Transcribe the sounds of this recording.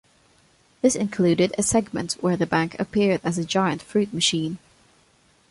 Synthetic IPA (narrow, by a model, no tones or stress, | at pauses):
ðɪsɪ̃nkʰl̥ʉːɾɪɾɨsɛɡmə̰̃nʔwə˞ðəbæ̃ŋkʰəpʰɪɹdɨzɨd͡ʒaɪə̃ntfɹʉˑt̚mɨʃĩn